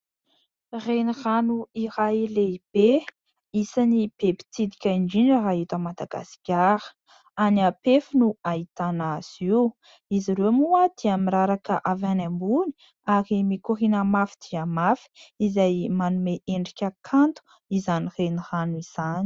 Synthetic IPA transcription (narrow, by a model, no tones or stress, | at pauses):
reniranuiɾajleb̥e | isanib̥epi̥t͡sid̪ikʲaiɳɖ͡ʐiɳɖ͡ʐəɦaɦit̪əmad̪aɡa̰si̥kʲaɾə̥ | aniapefinuait̪anaz̥iw | iziɾemuad̪̥iamiɾaɾakəʔavanambuni̥ | aɾimikuɾinamafid̪̥iamafi̥izajmanumeʔeɳɖ͡ʐikʲakʰant̪u̥ | izanireniranuiz̥ani̥